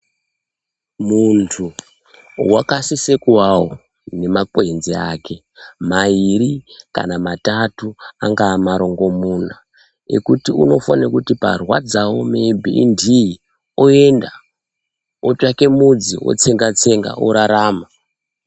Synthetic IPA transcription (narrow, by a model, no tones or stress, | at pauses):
muntʰu | wakasisekuwawo | ne̞makoinziaːke̞ | maiɾika̰namatatuaŋɡaːmaɾo̞ŋɡo̞muna | ḛkutiuno̞fanakutipa̰rwad͡zawomeibʱḭʔːndii | oe̞nda | ot͡ʃake̞mud͡zio̞̰t͡se̞ŋɡat͡se̞ŋɡa̰ʔoɾaɾaːma